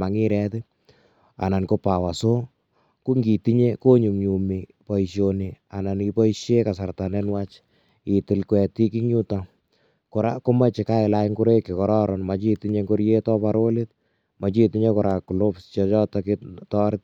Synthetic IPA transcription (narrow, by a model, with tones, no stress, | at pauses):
a˨ŋi˦ɾɛtɪ | a̰˨na˨nko˦pa˨wa˨so˦ | ku˦ŋɡi˨ti˦ɲe˦ko˦ɲu˨mɲu˨mipɔ˨iʃjonia̰˨na˨nkipɔ˦iʃje˦ka˨sa˨rta˨nenwa˦t͡ʃ | i˨tɪ˨lkwɛ˨ti˦ki˦ɲu˦ta˨ | kʊɾako˦ma˦t͡ʃɪ˨ka˦ɪ˨la˦jŋɡu˦ɾe˦kɪ˨kɔɾɔ˦ɾɔnma˨t͡ʃi˦tiɲe˦ŋɡo˦ɾje˦tɔ˦paɾo˦let̚ | ma˨t͡ʃi˦ti˦ɲe˦kɔɾa˨ku˨lo˦pst͡ʃɔt͡ʃɔ˦tɔkitɔ˦ɾɪt̚